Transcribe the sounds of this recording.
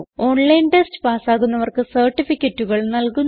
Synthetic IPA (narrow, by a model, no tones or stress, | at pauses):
o̞ːɳlɐjnʈestɨ̥paːsaːɣunːɐʋɐrkɨsɐrʈːifikʲːɐtːuɣɐɭnɐlkunː